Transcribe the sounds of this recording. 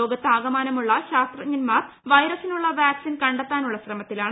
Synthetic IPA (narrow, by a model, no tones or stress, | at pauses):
o̞ːɡɐt̪ːeaːɡɐmaːnɐmuɭːɐɕaːst̪rɐɲinmaːt | ʋɐjɾɐsinuɭːɐʋjaːksinkɐɳɖet̪ːaːnuɭːɐsrɐmɐt̪ːilaːɳ